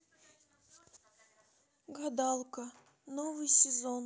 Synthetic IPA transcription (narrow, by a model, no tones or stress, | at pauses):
ɡɐd̪ɑlˠkə | novɨjsʲɪzon